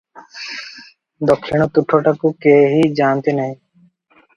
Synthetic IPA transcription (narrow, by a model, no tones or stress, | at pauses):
d̪ɔkʰːiɳ̃ot̪uʈʰːoʈakukeːɦid͡ʒaːnt̪enɐɦĩ